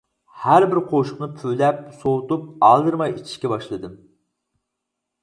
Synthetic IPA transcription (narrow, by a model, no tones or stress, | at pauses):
hæɾbɪɾqʰoʃʊqnɨpʰylɛp̚sowt̪up̚ɑlˠd̪ɨɾmɑjit͡ʃʰi̥ʃkʲɛbɑʃlˠɨd̪ɨm